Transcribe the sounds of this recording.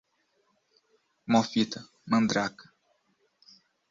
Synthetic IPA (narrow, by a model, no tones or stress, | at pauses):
mofit̪ɐ | mɐ̃nd̪ɾak